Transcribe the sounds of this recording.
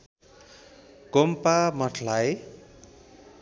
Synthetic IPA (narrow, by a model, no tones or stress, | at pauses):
ɡompamʌʈʰlaj